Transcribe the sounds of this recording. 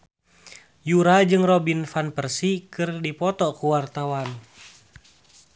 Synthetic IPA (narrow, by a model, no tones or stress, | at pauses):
juɾad͡ʒɨŋrɔbinfanpərsikɨrdipɔt̪ɔkuwart̪awan